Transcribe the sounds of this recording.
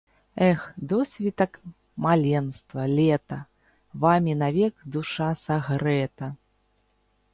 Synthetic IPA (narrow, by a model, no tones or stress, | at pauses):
ɛxd̪ɔsʲvʲit̪ɐk | malʲɛnst̪vɐlʲɛt̪ɐ | vamʲinavʲɛkd̪uʂasaɣɾɛt̪ɐ